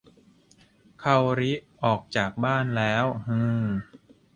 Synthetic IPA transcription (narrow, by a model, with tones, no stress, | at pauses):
kʰa˧wɾi˦˥ʔɔː˨˩k̚t͡ɕaː˨˩k̚baː˥˩nlɛː˦˥whɯ̃ː˧˩